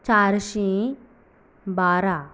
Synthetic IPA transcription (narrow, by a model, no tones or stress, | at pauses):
t͡ʃaɾʃĩ | baːɾa